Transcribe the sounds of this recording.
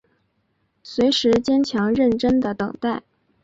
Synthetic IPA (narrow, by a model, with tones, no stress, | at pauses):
swe˧˥ɪʂɻ̩˧˥t͡ɕjɛ˥nt͡ɕʰjɑ˧˥ŋɻə˥˩nʈ͡ʂə˥nd̪ə˨t̪ɤ˨˩ŋt̪a˥˩ɪ